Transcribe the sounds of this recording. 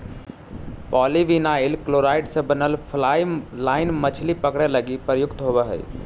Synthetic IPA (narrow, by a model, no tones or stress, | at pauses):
pɔliʋinailkloɾaɪɖsə̃bənəlpʰlajlaɪnmət͡ʃʰlipəkɽɛləɡipəjʊkt̪ɦobɛɦə̰j